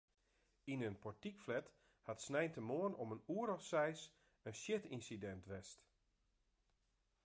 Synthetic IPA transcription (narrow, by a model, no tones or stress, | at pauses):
inənpɔɹtikflɛt | hatsnɛjntəmoənɔmənuəɾɔfsɛjs | ənsjɪtinsidɛntʋɛst